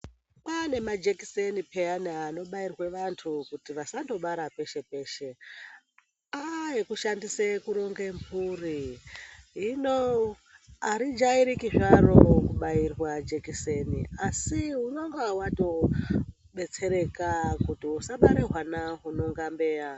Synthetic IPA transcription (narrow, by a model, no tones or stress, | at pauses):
panemad͡ʒeki̥senipe̞anano̞ɓairwe̞ʋantʰukutiʋasando̞ɓaɾape̞ʃe̞pe̞ːʃe̞ | aikuʃandisekuɾoŋɡembʱuri | ɦino | aɾid͡ʒaiɾikiʐaɾo̞kuɓairwad͡ʒekise̞nḭasiɦunoŋɡawato̞ | ɓe̞t͡se̞ɾe̞kakutiusaɓaɾeɦwanaɦuno̞ŋɡambe̞ːja